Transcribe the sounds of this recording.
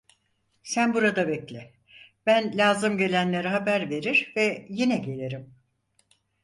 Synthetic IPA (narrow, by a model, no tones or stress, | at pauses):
sænbuɾad̪abɛclʲɪ | b̥ænlʲaːzɯmɟe̞lʲænlʲe̞ɾiɦabæɾve̞ɾiɾvɛjinɛɟe̞lʲeɾim